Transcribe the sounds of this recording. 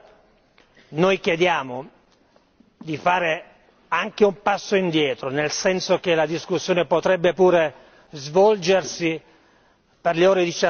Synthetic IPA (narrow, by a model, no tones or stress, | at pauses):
nojkjed̪jaːmo | d̪ifaːɾe | aŋk̟eumpasːoind̪jɛːt̪ɾonelsɛnsok̟elad̪iskusːjoːnepot̪ɾɛbːepuːɾe | zvɔld͡ʒersi | perleoːɾed̪it͡ʃa